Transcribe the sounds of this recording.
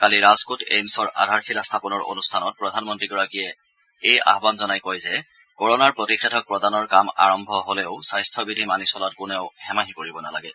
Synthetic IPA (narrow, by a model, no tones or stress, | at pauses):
kaliɹazkutḛjmsɔɹʔa̰dʱaɹxilastʰapɔnɔɹo̰nustʰanɔt̚pɹɔdʱanmɔntɹiɡɔɹakijɛ | eja̰ɦbanzɔnajkojzɛ | kɔɹɔnaɹpɹotixɛdʰʱɔk̚pɹɔdanɔɹkama̰ɹɔmbʱɔɦolɛʊsajstʰɔbidʱimanisɔlatkʊnɛʊhɛmaɦikoɹibɔna̰la̰ɡɛ